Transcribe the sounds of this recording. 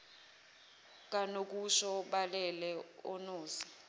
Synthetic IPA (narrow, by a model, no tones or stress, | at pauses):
k̬ʼanok̬ʼuʃɔɓalɛlɛɔ̰noːsi̥